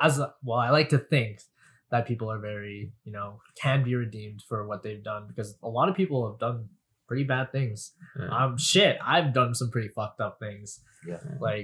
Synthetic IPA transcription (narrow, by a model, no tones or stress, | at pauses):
azwɛlˠaɪlaɪk̚tʰɨθɪ̃ŋk | ðɨt̚pʰipl̩ˠə˞vɛɹijɨnoʊkʰɨ̃nbiɹɨdĩmd̥fə˞wʌt̪̚ðeɪvdʌ̃nbɨkʰʌzəlɑɾʌv̥pʰipl̩ˠəvdʌ̃n | pʰɹ̥ɪɾibæd̪̚θɪ̃ŋz̥ʔã̰ɪ̃mʃɪt̚a̰ɪvdʌ̃nsʌ̃mpʰɹ̥ɪɾifʌk̚tʌp̚θɪ̃ŋz̥ | jlaɪk